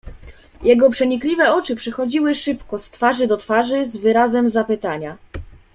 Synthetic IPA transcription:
jɛɡɔpʂɛɲiklʲivɛɔt͡ʂɘpʂɛxɔd͡ʑiwɘʂɘpkɔst̪faʐɘd̪ɔt̪faʐɘzvɘɾazɛmzapɘt̪aɲa

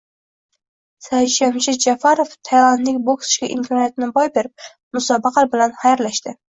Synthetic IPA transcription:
sajʃamʃɪd͡ʒafaɾoft̪ʰajɾanlɪkʲbokʰsɪ̥ʃkʲaʔɪmkʰɒnijat̪ɪnɪbɒjbeɾɪp̚ | mʊsɒbɑqʰɑlbɪlanχajaɾlaʃt̪ɪ

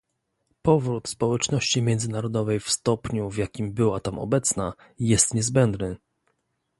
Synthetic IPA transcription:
pɔvɾut̪spɔwɛt͡ʂnɔɕt͡ɕimʲjɛnd̪zɘnaɾɔd̪ɔvɛjfst̪ɔpɲuvjakʲimbɘwat̪amɔ̰bɛt̪sna | jɛst̪ɲɛzbɛnd̪nɘ

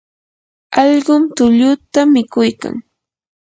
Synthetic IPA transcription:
ɑʎɢʊmt̪ʊʎʊt̪amɪkʊjka̰ŋ

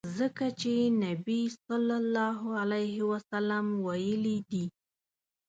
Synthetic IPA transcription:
zəkat͡ʃenabisɑlːɑlːɑɦalajɦɪwasalamwajəlid̪i

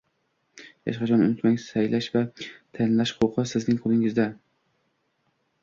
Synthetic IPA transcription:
jɑ̰ʃqɑt͡ʃʰɒnʊ̰nɪt̪maŋsajlaʃvat̪ʰanlaʃqʰoqʰɨsɪznɪŋqʰʊlˠɪŋɪzd̪a

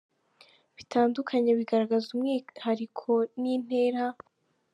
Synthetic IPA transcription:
βitʰaːndukʰaɲeβiɡaɾaɡazumŋiːhaɾikʰo̞nin̥e̞ːɾa

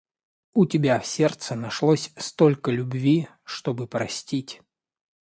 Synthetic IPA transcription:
ʊtʲɪbʲafsʲert̪sənɐʂlˠosʲst̪olʲkəlʲʊbvʲi | ʂt̪obɨpɾɐsʲtʲitʲ

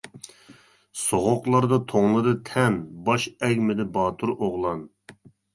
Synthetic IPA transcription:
soʁʊqlˠɑɾd̪ɑt̪ʰoŋlˠɨd̪ɨt̪ʰɛnbɑʃɛɡʲmɪd̪ɪbɑːt̪ʰuɾʔoʁlˠɑn

